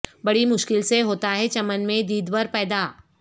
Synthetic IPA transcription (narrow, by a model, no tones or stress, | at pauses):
bɐɽimʊʃkɪlseɦoːt̪aɦɛt͡ʃɐmənmẽd̪iːd̪ʋəɾpɛːd̪aː